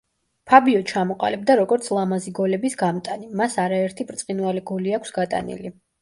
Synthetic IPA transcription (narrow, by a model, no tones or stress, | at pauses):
pʰabiɔt͡ʃʰamɔqʼa̰lɛb̚d̪aɾɔɡɔɾt̪sʰlˠamaziɡɔlɛbisɡamt̪ʼanimasaɾaɛɾt̪ʰipʼɾt̪sʼqʼinvaliɡɔliakʷʰsɡat̪ʼa̰nḭli